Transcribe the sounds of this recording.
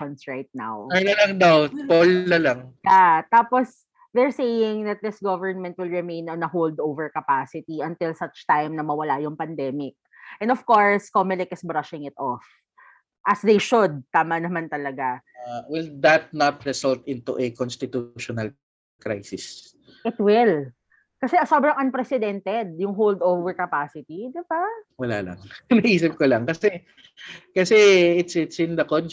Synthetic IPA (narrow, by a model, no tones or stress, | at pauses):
ɔnsɹajt̪̚na̰wajnɐlɐŋd̪awt̪polnɐlaŋjat̪aːpɔs | ðɛɹsejɪŋd̪ɐt̪̚d̪ɪsɡovəɹnmɛ̃nt̪̚wɪlɹɪmẽjnɔnɐɦowld̪owvɛɹkɐpasɪt̪iɐ̃nt̪ɪlsɐt͡ʃt̪ajmnɐmɐwɐlajʊŋpɐnd̪ɛmɪk̚ | ʔɛ̃nd̪ɔfkoɹskomɛlɪkɪsbɾɐʃɪ̃ŋɪt̪ʔɔf | ʔɐsd̪ejʃʊd̪̚t̪aːmɐnɐmant̪ɐlɐɡaawɪld̪ɐt̪̚nat̪̚ɹɛsɔlt̪ɪ̃nt̪uʔɛkonst̪ɪt̪uʃɔnɐl | kɹajsɪs | ʔɪt̪wɪl | kɐsɛɐsoːbɾɐŋʔɐnpɾɛsɪd̪ɛnt̪ɛd̪̚jʊŋɦowld̪owvɛɹkɐpasɪt̪id̪ɪbawɐla̰ːlɐ̰ŋnɐiːsɪp̚kolɐŋkɐsɛ | kɐsɛɪt̪sɪt̪sɪ̃nd̪ɐkon